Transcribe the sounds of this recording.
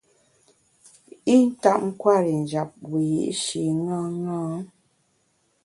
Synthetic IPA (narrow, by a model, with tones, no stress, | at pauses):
i˦n̩˦ta˦˨ʔ̚ŋ̩˦kwa˦˨ɾi˨n̩˨d͡ʒa˨p̚wi˨jḭ˨ʔʃi˨˦ŋa˦ŋɔ̃˦